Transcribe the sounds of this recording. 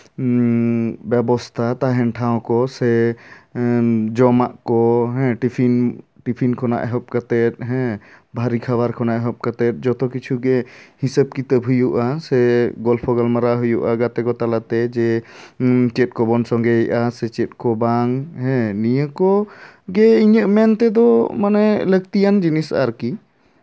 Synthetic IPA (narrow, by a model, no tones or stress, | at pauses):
bɛbɔst̪ʰat̪aɦɛnʈʰãw̃kɔsɛ | d͡ʒɔmaʔkɔɦɛ̃ʈipʰinʈipʰinkʰɔna̰ʔɛɦɔp̚kat̪ɛt̪̚ɦɛ̃bʱaɾikʰaβaɾkʰɔnaʔɛɦɔp̚kat̪ɛt̪̚ˀd͡ʒɔt̪ɔkit͡ʃʰuɡɛhisəb̚kit̪əbɦujuʔasɛɡɔlpʰɔɡalmaɾaɦujuʔaɡat̪ɛɡɔt̪alat̪ɛd͡ʒɛ | t͡ʃɛt̚kɔbɔnsɔŋɡɛjʔasɛt͡ʃɛt̪̚kɔbaŋɦɛ̃nijəkɔɡɛiɲəʔmɛnt̪ɛd̪ɔmanɛlək̚t̪ijand͡ʒinisaɾki